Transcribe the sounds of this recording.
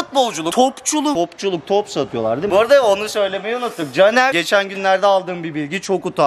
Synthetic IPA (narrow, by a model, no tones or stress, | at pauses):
ut̪̚bo̞lˠd͡ʒulˠut̪ʰopt͡ʃʰulˠuopt͡ʃʰulˠuk̚t̪ʰopsat̪ʰɯjo̞lˠa̰ɾd̪ɯbuɾd̪aonusø̞jlʲe̞mejɛunut̪ʰːɯk̚d͡ʒanæɟe̞t͡ʃʰænɟynlʲæɾd̪ɛalˠd̪ɯːmbibilʲɟit͡ʃʰo̞kut̪ʰa